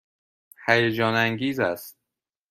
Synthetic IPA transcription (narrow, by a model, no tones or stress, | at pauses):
hæjed͡ʒɒːnæŋɡiːzæst̪̚